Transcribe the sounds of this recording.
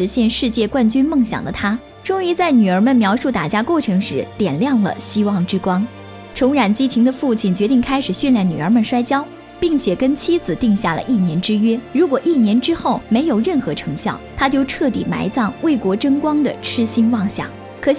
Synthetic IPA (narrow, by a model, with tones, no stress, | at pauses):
ɻ̩˧˥ɕjɛ˥˧nʂɻ̩˥˧t͡ɕjɛ˥˧kwa˥˩nt͡ɕy˥nmɤ˥˩ŋɕjɑ̰˨˩ŋd̪ə˦t̪ʰa˥ | ʈ͡ʂʊ˥ŋy˥˧t͡sa˥˩ɪny˨˩ə˞˧˥mə˧˨nmjɑ˧˥ʊʂu˥˩t̪a˨˩t͡ɕja˥kwɔ˥˩ʈ͡ʂʰɤ˧˥ŋʂɻ̩˧˥t̪jɛ˨˩nljɑ˥˩ŋlə̰˩ɕi˥wɑ˥˩ŋʈ͡ʂɻ̩˥kwɑ˥ŋ | t͡sʰʊ˧˥ŋɻa˧˥nt͡ɕi˥t͡ɕʰi˧˥ŋd̪ə˧fu˥˧t͡ɕʰi˥˩nt͡ɕɥɛ˧˥t̪̬i˥˩ŋkʰa˥ɪʂɻ̩˨˩ɕɛ˥˧nljɑ˥˩ŋny˨˩ə˞˧˥mə˨˧nʂwa˥ɪt͡ɕjɑ˥ʊ | pi˥˩ŋt͡ɕʰjɛ˨˩kə˥nt͡ɕʰi˥d͡zɹ̩˨˩t̪i˥˧ŋɕja˥˩lə̰˩ʔi˥˩njɛ˧˥nʈ͡ʂɻ̩˥ɥɛ˥ɻu˧˥kwɔ˨˩ʔi˥˩njɛ˧˥nʈ͡ʂɻ̩˥xo˥˩ʊme˧˥ɪjo˨˩ʊɻə˥˩nxɤ˧˥ʈ͡ʂʰɤ˧˥ŋɕjɑ̰˥˩ʊt̪ʰa˥t͡ɕjo˥ʊʈ͡ʂʰɤ˥˩t̪ḭ˨˩ma̰˧˥ɪt͡sɑ˥˧ŋwe˥˩ɪkwɔ˧˥ʈ͡ʂə˥ŋkwɑ˥ŋd̪ə̰˨ʈ͡ʂʰɻ̩˥ɕi˥nwɑ˥˩ŋɕjɑ̰˥˩˦ŋ | kʰɤ˧˩ɕ